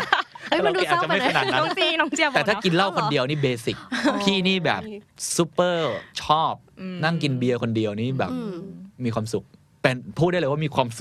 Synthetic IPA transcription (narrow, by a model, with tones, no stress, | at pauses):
a˧˨du˧a˨˩˥t͡ɕa˨˩ma˥˩jkʰa˩˨nːa˨˩˦nːa˦˧˦i˧nɔ˧˥˩i˧ɛː˨˩t̪ʰaː˥˩ki˧nla˥˩wkʰo˧ndi˧əwniː˥˩beː˧si˨˩k̚pʰiː˥˩niː˥˩bɛ̰ː˨˩p̚su˦˥pːɤː˥˩t͡ɕʰɔː˥˩p̚ːna˥˩ŋki˧nbi˧ɐkʰo˧ndi˧əwniː˦˥˩bɛ̰ː˨˩p̚miː˧kwaː˧msu˨˩k̚ | pe˧npʰuː˥˩da˥˩lːjwaː˥˩miː˧kʰwaː˧msu˨˩k̚